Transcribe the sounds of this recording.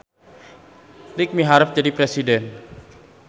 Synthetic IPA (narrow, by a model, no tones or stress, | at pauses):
lɪk̚miɦaɾəfd͡ʒadipɾesidɛn